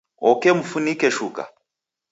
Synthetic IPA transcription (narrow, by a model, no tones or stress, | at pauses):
ɔkɛmufunikɛʃuka̰